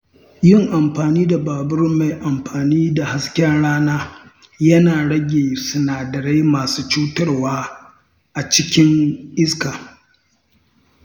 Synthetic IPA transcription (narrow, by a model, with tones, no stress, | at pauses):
jɪ˦ŋʔa˨mɸaː˨niː˦da˨baː˨bʊ˦rma˨jʔa˨mɸaː˨niː˦da˨ha˦skʲɐ˦nɽaː˦naː˦ | jɐ˦naː˨ɽɐ˦ɡʲeː˨sʊ˨naː˨dɐ˨ɾe˦jmaː˨suː˦t͡ʃuː˦tɐ˦rwaː˦ | ʔa˨t͡ʃɪ˦kʲɪ˦ŋʔɪ˦skaː˨